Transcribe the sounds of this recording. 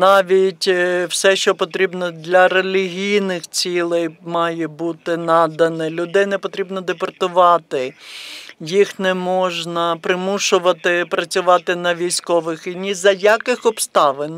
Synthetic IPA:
nɑʋʲitʲwsɛʃt͡ʃɔpɔt̪ɾʲibnɔd̪lʲɐɾelʲiɦʲijnɪxt͡sʲilˠɛjmɑjɛbut̪ɪnɑd̪ɐnɪlʲʊd̪ɛjnɛpɔt̪ɾʲibnɔd̪epɔrt̪ʊʋɑt̪ɪ | jixnɛmɔʒnɐpɾɪmuʃʊʋɐt̪ɪpɾɐt͡sʲʊʋɑt̪ɪnɐʋʲijsʲkɔʋɪxinʲizɐjakɪxɔbst̪ɑʋɪn

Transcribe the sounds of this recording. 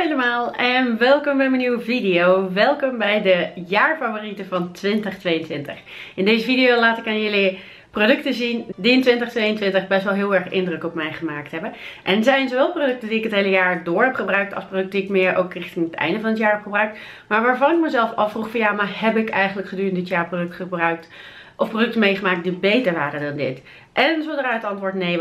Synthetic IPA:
ejləmaːlˠɛnʋɛlˠkɔmbɛjməniwəvidɪjowʋɛlˠkɔmbɛjdəjaːɹfavoːritəvɑntʋɪntəχtʋejəntʋɪntə̰χ | ɪndejzəfidɪjowlaːtɪkaːnjəli | prodɵktəzindiɪntʋɪntəχtʋejəntʋɪntəχbɛstʋɛlˠɦɪːlˠɛɹχɪ̰ndrəkɔpmɛjχəmaːk̚tɦɛbənʔɛnzɛjnzowʋɛlˠprodɵk̚tədiɪkɦətɦejləjaːɹdʊːɹɦɛpχəbrœɥk̚tɑ̰lˠsprodɵk̚diɪkmɪːɹʔo̰wkrɪχtɪnətɛ̰jndəvɑnətjaːɹɦɛpχəbrœɥk̚t | maːɹʋaːɹvɑnɪk̚məzɛlˠfɑfruχfɑnjaːmaːɹhɛbɪkɛjχənləkχədyːrəndɪtjaːɹprodɵktχəbrœɥk̚t | ʔɔfprodɵk̚təmejχəmaːk̚t̚dibejtəɹʋaːrədɑndɪ̰t | ʔɛnzodəraːətɑntʋʊːɹtnej

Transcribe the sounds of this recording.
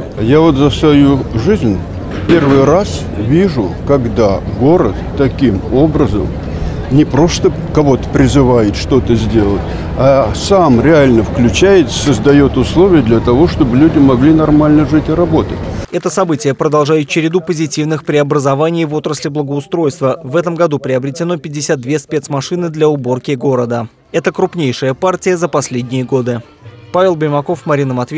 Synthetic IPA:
javo̞t̪zəsvɐjuʐɨzʲnʲ | pʲe̞rvɨjras | vʲiʐʊkɐɡd̪aɡo̞ɾət̪ː | ɐkʲimo̞bɾəzə̰m | nʲɪpɾo̞st̪ə | kɐvo̞t̪ə̥pɾʲɪzɨvajɪt̪ʂt̪o̞t̪əzʲdʲe̞lˠətʲ | ɐsamɾʲɪalʲnəfklʲʉt͡ɕæjɪt̪sə̥səzd̪ɐjo̞t̪ʊslˠo̞vʲɪjəd̪lʲɐt̪ɐvo̞ʂt̪o̞bɨlʲudʲɪmɐɡlʲinɐrmalʲnəʐɨtʲɪɾɐbo̞t̪ətʲɛt̪əsɐbɨtʲɪjəpɾəd̪ɐlˠʐajɪt̪̚t͡ɕɪɾʲɪd̪upəzʲɪtʲivnɨxpɾʲɪɐbɾəzɐvanʲɪjvo̞t̪ɾəsʲlʲɪblˠəɡəʊst̪ɾo̞jst̪vəvɛt̪əmɡɐd̪upɾʲɪɐbɾʲɪtʲɪno̞pʲɪdʲːɪsʲat̪̚d̪vʲe̞spʲe̞t̪smɐʂɨnɨd̪lʲaʊbo̞rkʲɪɡo̞ɾəd̪ə | ɛt̪əkɾʊpnʲejʂɨjəpartʲɪjəzəpɐsʲlʲedʲnʲɪjəɡo̞d̪ɨ | pavʲɪlˠbəjmɐko̞fmɐɾʲinəmɐt̪vʲ

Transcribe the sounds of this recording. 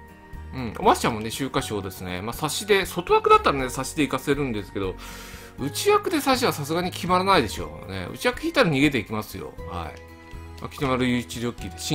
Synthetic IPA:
ɯ̟̃ɴo̰maɕt͡ɕamo̞ne̞ɕɨːkaɕo̞ːd̪e̞sɨne̞̰maːsaɕid̪e̞so̞t̪oβakɯd̪at̪ːaɾane̞saɕid̪e̞ikase̞ɾɯ̟̃nd̪e̞sɨ̥ke̞d̪o̞ | ɯ̟t͡ɕijakɯ̟d̪e̞saɕiβasas̬ɨɡaɲ̟ikʲimaɾanaid̪e̞ɕo̞̰ːne̞̰ɯ̰t͡ɕijakɯ̟̥çʲit̪ːaɾaɲ̟iɡe̞t̪e̞ikʲimasɨjo̞̰ha̰ḭ | ma̰kʲi̥t̪onaɾɯ̟jɯ̟t͡ɕiɾʲo̞ːkʲːid̪eɕi

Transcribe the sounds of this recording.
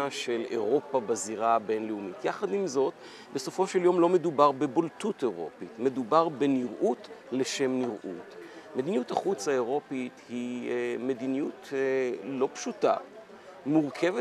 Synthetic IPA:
aʃe̞lḛʁo̞pabaziʁabe̞nleumitjaχadimzo̞t | be̞so̞fo̞ʃeljo̞mlo̞me̞dubaʁbe̞boltute̞ʁo̞̰pitme̞dubaʁbe̞niʁʔutleʃe̞mniʁʔṵtme̞d̪inijutaχut͡saeʁo̞pithime̞dinijut | lo̞pʃuta̰ | muʁkʰe̞ve

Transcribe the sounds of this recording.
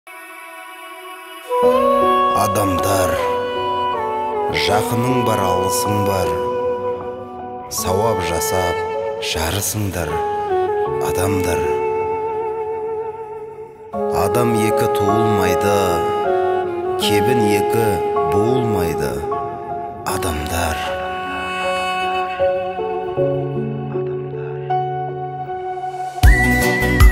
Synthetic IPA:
ɑd̪ɑmd̪ɑɾ | ʒɑqənəɴbɑɾɑlˠəsəɴd̪ɑɾ | sɑwɑpʒɑsɑp̚ʒ̥ɑɾəsəɴd̪ɑɾ | ɑ̰d̪ɑmd̪ɑɾ | ɑd̪ɑmje̞kʲɪt̪ʰuəlˠmɑjd̪ə | kʲʰe̞bɪnje̞kʲɪbolˠmɑjd̪ə̰ | ɑd̪ɑmd̪ɑɾ

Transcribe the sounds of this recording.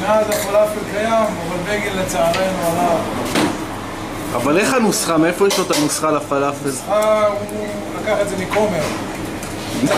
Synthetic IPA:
meazafalafelkajamavalbeɡellːet͡saaʁenuala | a̰vale̞χanusχameefoiʃot̪anusχalafalafelau | lakaχetzemiko̞meʁ

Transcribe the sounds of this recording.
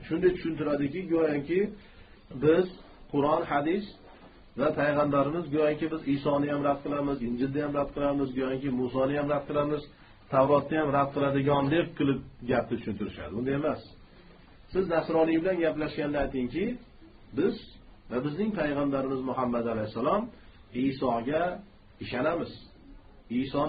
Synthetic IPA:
ʃʊnd̪ajt̪ʰʊʃʊnt̪ɪɾad̪ɪkʲɪɡojaŋkʲɪ | bɪz | qʰʊɾɒnhad̪is | vapʰajʁand̪aɾɪmɪzɡojaŋkʲɪbɪzɪsɒnɪjamɾad̪̚qʰɨlˠamɪzɪnd͡ʒɪld̪ajamɾad̪̚qʰɨlˠamɪzɡojaŋkʲɪmusɒnɪjamɾad̪̚qʰɨlˠamɪz | t̪ʰawɾɒt̪ːajamɾad̪̚qʰɨlˠad̪ɪɡʲɒnd̪eq̚qːɨlˠɪp̚ɡʲap̚nɪt̪ʰʊ̥ʃʊnt̪ʰʊɾɪʃa̰d̪ɪʊnd̪aemas | sɪznasɾɒnɪjbɪlanɡʲaplaʃɡʲand̪ajt̪ɪŋkʲɪ | bɪz | vabɪznɪŋpʰajʁand̪aɾɪmɪzmʊɦamːad̪alajhsːalˠɒm | ɪsɒɡʲa | ɪʃanamɪz | ɪsɒ

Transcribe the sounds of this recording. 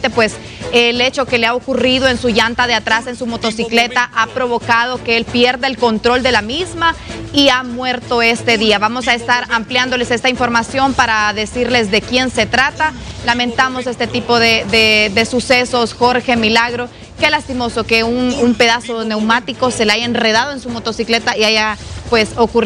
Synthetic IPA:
t̪epwe̞s | ele̞t͡ʃo̞ke̞leaokuriðo̞e̞nsuʝant̪aðeat̪ɾase̞nsumo̞t̪o̞sikle̞t̪aʔapɾo̞βo̞kað̞o̞ke̞elpje̞ɾðaelko̞nt̪ɾo̞ld̪e̞lamizmaiamwe̞ɾt̪o̞e̞st̪e̞ðiaβamo̞sae̞st̪aɾampljand̪o̞le̞se̞st̪aiɱfo̞ɾmasjo̞mpaɾaðe̞siɾle̞zðe̞kje̞nse̞t̪ɾat̪alamẽ̞nt̪amo̞se̞st̪et̪ipo̞ðeðed̪e̞suse̞so̞sxo̞ɾxe̞milaɣɾo̞ | ke̞last̪imo̞so̞ke̞unumpe̞ðaso̞ne̞wmat̪iko̞se̞leaʝaenre̞ð̞að̞oensumo̞t̪o̞sikle̞t̪aiaʝapwe̞so̞ku

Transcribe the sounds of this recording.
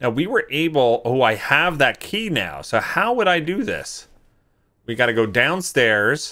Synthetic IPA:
naʊwiwə˞ʔeɪbl̩ˠhuaɪəvðɨt̚kʰina̰ʊsoʊhaʊwəɾaɪdɨðɪ̰s | wiɡɑɾɨɡoʊdãʊ̃nstɛɹz̥

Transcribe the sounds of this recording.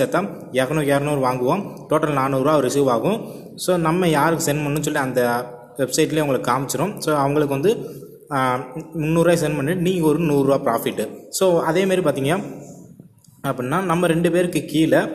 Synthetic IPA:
ɐt̪ːaː | jɛɾɐnõːjɛɾɐnõɾɯʋaːŋɡɯʋõːʈoːʈɐlnaːnuːɾɯaːɔɾɪsiːʋaːɣʊ̃ | soːnɐmːɐjaːɾɯkːɯsɛnpɐɳːɯ̃ns̬ɔlːiɐnd̪ɐ | ʋɛbsɐɪʈ̬ːɪleːʋɐŋɡɐɭɯkːaːmɪt͡ʃːɪɾõːmsoːɐʋɐŋɡɐɭɯkːɯʋɐnd̪ɯ | mʊnːuːɾaːs̬ɛnpɐɳːɪʈnĩːŋɡɐɔɾɯnuːɾːɯaːpɾaːfɪʈːɯsoːɐðeːmaːd̪ɾipaːɾt̪iːŋɡɐnaː | ɐpːɐɽnːaːnɐmːɐɾɛɳɖɯpeːɾɯkːɯkiːlɐ

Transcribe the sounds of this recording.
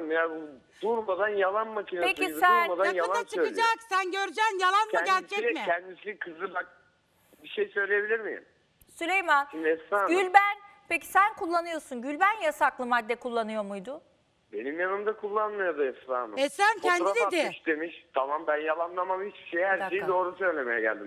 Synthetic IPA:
mjabu | d̪̥uɾmad̪anjalˠanmacʰinapescisænmad̪aanjalalˠaat͡ʃʰɯøjkɯd͡ʒaksænɟøɾyd͡ʒænjalˠanmɯɟælʲt͡ʃʰɛmɪɛnd̪isikʰɯzˠɯbak̚ | biʃejsø̞jlʲejebilʲiɾmḭm | sylʲejmanʃimd̪iɛsɾaːmɡylʲbænpecʰi̥sænkʰulˠːanɯjo̞sunɟylʲbænjasaklˠɯmad̪ːɛkʰulˠːanɯjo̞mujd̪ʊ | be̞nimjanɯmd̪akʰulˠːanmajad̪ɯɛsɾaːnɯ̰ɛsænkʰɛnad̪ed̪ɪʃd̪e̞miʃt̪ʰamambænjalˠanlˠamamit͡ʃbi̥ʃejhæɾʃejid̪o̞ːɾusø̞jlʲe̞me̞jɛɟæ̰lʲd̪im

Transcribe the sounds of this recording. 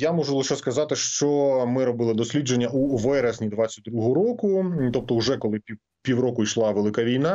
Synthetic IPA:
jamɔʒʊlˠɪʃɛskɐzɑt̪ɪʃt͡ʃɔmɪɾɔbɪlˠɪd̪ɔsʲlʲid͡ʒenʲːɐʔuʋɛɾɐzʲnʲid̪ʋɑt͡sʲːɐtʲd̪ɾuɦɔɾɔkʊt̪ɔp̚t̪ɔuʒɛkɔlˠɪpʲi | pʲiwrɔkʊiʃlˠɑʋelˠɪkaʋʲijnɑ

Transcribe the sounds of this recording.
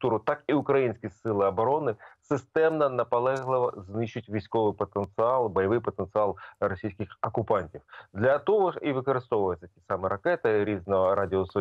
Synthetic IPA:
t̪uɾʊt̪ɑkiʊkɾɐjinʲsʲkʲisɪlˠɪɐbɔɾɔnɪsɪst̪ɛmnɐnɐpɐlˠɛɦlˠɪʋɐ̰znɪʃʊtʲʋʲijsʲkɔʋɪjpɔt̪ent̪sɪɑlˠbɔjɐʋɪjpɔt̪ent̪sɨɑlˠɾɔsʲijsʲkʲɪxɐkʊpɑnʲtʲiwd̪lʲɐt̪ɔɦɔiʋɪkɔɾɪst̪ɔʋʊjɪt͡sʲːɐtʲisɑmɛɾɐkɛt̪ɪɾʲiznɔɦɔɾɑdʲɪɔsɔ

